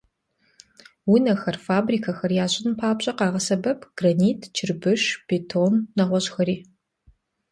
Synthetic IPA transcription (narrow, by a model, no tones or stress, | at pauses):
wunɐxɐrfaːbriːkʰɐxɐrjaːɕʼɪnpʰaːpɕʼɐqɑːʁɐsɐbɐpʰɡ̥rɐniːtʰt͡ʃʰɪrbɨʃpʰeːtʰoːnːɐʁʷɔɕʼxɐɾiː